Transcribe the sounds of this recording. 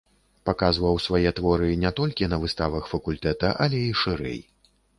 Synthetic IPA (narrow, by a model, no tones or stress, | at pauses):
pakazvɐwsvajɛt̪vɔɾɨnʲɛt̪ɔlʲkʲinɐvɨst̪avɐxfɐkulʲt̪ɛt̪ɐʔɐlʲɛiʂɨɾɛ̰j